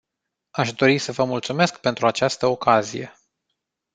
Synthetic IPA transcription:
aʃd̪o̞ɾisəvəmult̪sume̞skpe̞nt̪ɾuat͡ʃast̪əokazije̞̰

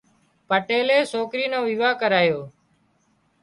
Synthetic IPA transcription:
pəʈeːleːsoːkɾiːnõːʋiːʋaːkəɾaːjoː

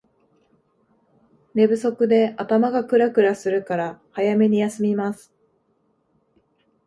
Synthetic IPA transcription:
ne̞bɯ̟so̞kɯ̟d̪e̞at̪amaɡakɯ̟ɾakɯ̟ɾasɨɾɯ̟kaɾahajame̞ɲ̟ijasɨmʲimasɨ̥

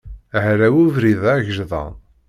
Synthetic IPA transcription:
əhɾæwuvɾiðæʝəʒðˤɑ̰

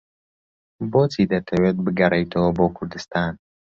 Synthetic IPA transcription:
boːt͡sid̪ɐt̪ʰɐwet̪̚bɨɡɐɾɐjt̪ʰoːboːkʰʊɾd̪ɨst̪aːn

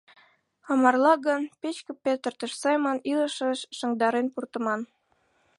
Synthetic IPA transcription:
ɑmɑrlɑɣənpet͡ɕkə̆pet̪ərt̪ə̆ʃsɑjmoniləʃəʃːə̆ŋd̪ɑɾenpurt̪ə̆mɑn

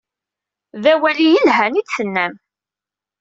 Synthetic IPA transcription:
ðæwælijəlɦænid̪θənːæm

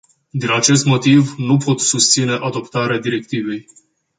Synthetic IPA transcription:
d̪inat͡ʃe̞st̪mo̞t̪ivnupo̞t̪sust̪sine̞ʔad̪o̞pt̪aɾead̪iɾe̞k̚t̪ive̞j

